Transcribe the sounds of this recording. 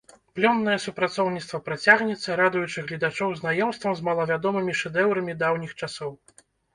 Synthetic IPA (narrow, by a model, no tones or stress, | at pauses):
plʲɔnːɐjɛsupɾat̪sɔwnʲit̪st̪vɐpɾat͡sʲaɣnʲɛt̪sːɐɾad̪ujut͡ʂɨɣlʲid̪at͡ʂɔwznajɔmst̪vɐmzmɐlˠɐvʲad̪ɔmɨmʲiʂɛd̪ɛwɾɐmʲid̪awnʲixt͡ʂasɔw